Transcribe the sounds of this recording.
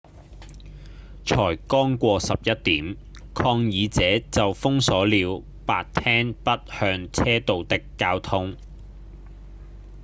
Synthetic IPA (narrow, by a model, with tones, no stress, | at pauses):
t͡ʃʰɔː˨˩jkɔː˥ŋkʷɔː˧sɐ˨p̚jɐ˥t̚t̪iː˨˥m | kʰɔː˧ŋjiː˨˧t͡sɛː˨˥t͡sɐ˨wfʊ˥ŋsɔː˨˥liː˨˧w | paː˨˧t̚t̪ʰɛː˥ŋpɐ˥t̚hœː˧ŋt͡sʰɛː˥t̪o˨wt̪ɪ˨˥kːaː˧wt̪ʰʊ˥ŋ